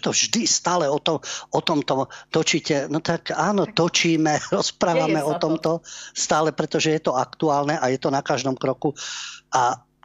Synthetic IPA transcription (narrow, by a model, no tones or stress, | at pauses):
t̪ɔvʒd̪ist̪aːlɛɔt̪ɔɔt̪ɔmt̪ɔt̪ɔt͡ʃiːcɛnɔt̪akaːnɔt̪ɔt͡ʃiːmɛɾɔspɾaːʋamɛɔt̪ɔmt̪ɔst̪aːlɛpɾɛt̪ɔʒɛjɛt̪ɔakt̪uaːlnɛʔajɛt̪ɔnakaʒd̪ɔmkɾɔkuʔa